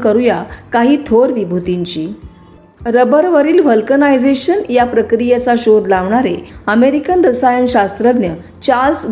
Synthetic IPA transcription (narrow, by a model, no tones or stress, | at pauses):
kəɾujakaɦiːt̪ʰoɾʋibʱut̪iɲt͡ɕiː | ɾəbəɾʋəɾiːlʋ̤əlkənajd͡zeɕənjapɾəkɾijat͡saɕod̪laʋɳaɾeəmeɾikənd̪əsajəɳɕast̪ɾəd̪njə | t͡ɕals